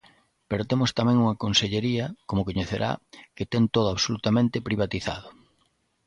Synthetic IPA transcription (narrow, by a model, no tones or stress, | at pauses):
peɾot̪emʊst̪amɛ̃ŋuŋɐkonseʎeɾiɐkomokoɲeθeɾʔa̰ket̪ɛŋt̪oðʊaβsolut̪amẽnt̪ɪpɾiβat̪iθa̰ð̞ʊ